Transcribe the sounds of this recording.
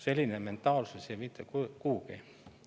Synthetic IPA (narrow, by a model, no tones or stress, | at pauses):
selʲːinement̪ːɑːlusesemit̪ːɑkkuːke